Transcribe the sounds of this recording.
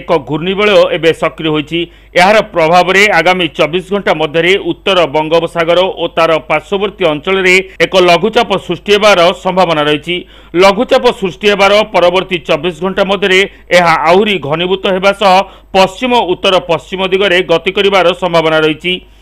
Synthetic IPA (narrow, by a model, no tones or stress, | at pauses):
ekɔɡʱuɾnibeɭɔebesɔkɾiɔɦojt͡ʃʰi | eɦaɾɔpɾɔbʱabɔɾeaɡamit͡ʃɔbisɡʱɔɳʈamɔd̪ʱjɔɾeʔut̪ːɔɾɔbɔŋɡɔbɔsaɡɔɾɔʔot̪aɾɔpaɾsɔbɔɾt̪iɔnt͡ʃɔɭɔɾeekɔlɔɡʱut͡ʃapɔsɾusʈiɦebaɾɔsɔmbʱabɔnaɾɔɦit͡ʃʰi | lɔɡʱut͡ʃapɔsɾusʈiɦebaɾɔpɔɾɔbɔɾt̪it͡ʃɔbːisɡʱɔɳʈamɔd̪ʱjɔɾe | eɦaawɾiɡʱɔnibut̪ɔɦebasɔɦɔ | pɔst͡ʃimɔut̪ːɔɾɔpɔst͡ʃimɔd̪ʱiɡɔɾeɡɔt̪ikɔɾibaɾɔsɔmbʱabɔnaɾɔɦit͡ʃʰi